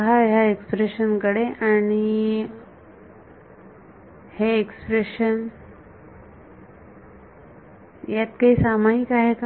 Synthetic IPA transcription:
ɦaɦjaekspɾeɕənkəɽeʔaɽ̃i | heekspɾeɕən | jat̪kaɦisamaɦikaɦek

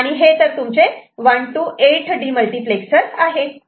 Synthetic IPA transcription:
aɽ̃iɦet̪əɾt̪umt͡seʋəɳʈuʔeʈʰɖiːməlʈipleksəɾsaɦe

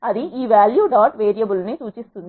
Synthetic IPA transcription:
ɐd̪iʔiːʋjaːljuːɖaːʈʋeːɾijɐbulniːt̪uːt͡ʃist̪und̪i

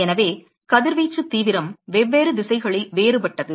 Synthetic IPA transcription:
ɛnɐʋeː | kɐðɪɾʋiːt͡ʃːɯt̪ːiːʋɪɾɐmʋɛʋːeːɾɯd̪ɪsɐɪɣɐɭɪlʋeːɾɯpɐʈːɐðɯ

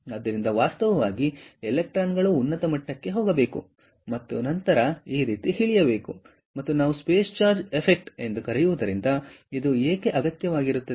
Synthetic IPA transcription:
ɐd̪ːɐɾind̪ɐʋaːst̪ɐʋɐʋaːɡielek̚ʈɾaːnɡɐɭuːnːɐt̪ɐmɐʈːɐkːe̞ɦoːɡɐbe̞ːku | mɐt̪ːṵnɐnt̪ɐɾɐiːɾiːt̪ihiɭijɐbe̞ːku | mɐt̪ːunaːʋuspeːst͡ʃaːɾd͡ʒepʰek̚ʈe̞nd̪ukɐɾɛjuʋud̪ɐɾind̪ɐid̪ueːke̞ʔɐɡɐt̪jɐʋaːɡiɾut̪ːɐ

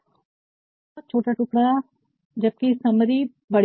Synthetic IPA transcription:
t͡ʃʰoːʈaːʈʊkɽaː | d͡ʒəb̚kesəmɾiː | bəɽ

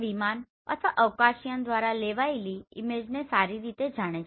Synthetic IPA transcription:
ʋiman | ə̰t̪ʰʋaʔəʋkaʃijənd̪ʋaɾaleʋaeliɪ̰med͡ʒnesaɾiɾit̪ed͡ʒaɽ̃et͡ʃ

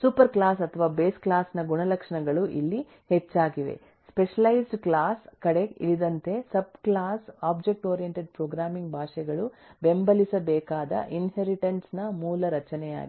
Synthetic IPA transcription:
supɐɾklaːsɐt̪ʰɐʋaːbeːsklaːsnɐɡuɳɐlɐkʂɐɳɐɡɐɭuʔḭlːi | het͡ʃːaːɡiʋḛ | speʂɐlɐjsɖklaːskɐɽeḭɭid̪ɐnt̪e̞sɐb̚klaːsaːbd͡ʒek̚ʈoːɾijeɳʈeɖ̚pɾoːɡɾaːmiŋɡ̚bʱaːʃɛɡɐɭube̞mbɐlisɐbɛːkaːd̪ɐ̰ʔinɦeɾiʈɐnsnɐmuːlɐɾɐt͡ʃɐnɛja̰ːɡi

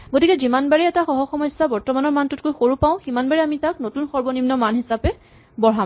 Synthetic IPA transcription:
ɡotikɛzimanbaɹiɛtaxɔɦɔxɔmɔjsːabɔɹtɔmanɔɹmantuʊt̚kojxoɹupaʊ̃ximanbaɹiamitak̚notunxɔɹbɔnimnɔmanɦisapɛ | bɔɦa

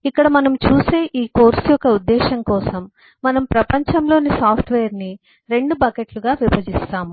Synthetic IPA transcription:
ikːɐɽɐmɐnɐmt͡ʃuːse̞ːʔiːko̞ːɾsjɔkɐud̪ːɛːʃɐmkɔːsɐmː | ɐnɐmpɾɐpɐɲt͡ʃɐmlo̞ːnisaːpʰʈʰʋeːjɐɾni | ɾe̞ɳɖubɐkeʈluɡaːʋibɐd͡ʒist̪aːmu

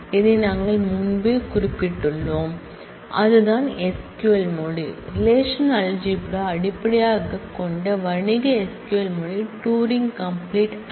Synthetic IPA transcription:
ɪðenaːŋɡɐɭmʊnbeːkʊɾɪpːɪʈːɯɭːoːm | ʔɐðɯðaːnɛskjuɐlmoːɽiɾɪleːʂɐnaːld͡ʒiɪpːɐɽoɐɽɪpːɐɽɐjaːɣɐkːɔɳɖɐʋɐɳɪɣɐɛskjuɐlmoɻiʈuːɾɪŋɡkɐmpliːʈ

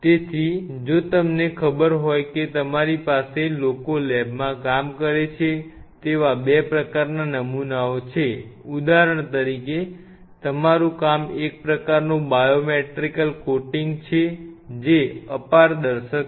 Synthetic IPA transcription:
t̪et̪ʰid͡ʒot̪əmnekʰəbəɾɦojket̪əmaɾipaselokolɛbmãkamkəɾet͡ʃʰet̪eʋabepɾəkaɾnanəmunaot͡ʃʰeud̪aɾəɳ̃t̪əɾike | t̪əmaɾũkamek̚pɾəkaɾnũbajomeʈɾikəlkoʈiŋɡt͡ʃʰed͡ʒeəpaɾd̪əɾʃək

